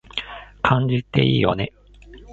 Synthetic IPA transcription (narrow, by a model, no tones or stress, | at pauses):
kʰãɲd͡ʑit̪ːe̞̰iːjo̞̰ne̞